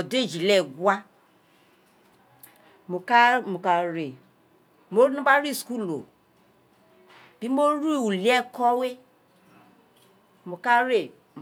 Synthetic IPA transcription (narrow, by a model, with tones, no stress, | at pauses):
ɔ˨de˦˨d͡ʒi˨lɛ˦˨ɡwa˦ | mo˨ka˦mo˨ka˨ɾe˨ | mo˦ɾi˦nũ˦ba˦ɾi˦˨sku˦˨lo̰˨ | b̥i˨˦mo˦ɾi˦˨u˨li˨˦ɛ˦kɔ˦we˦ | mo˨ka˦ɾe˦˨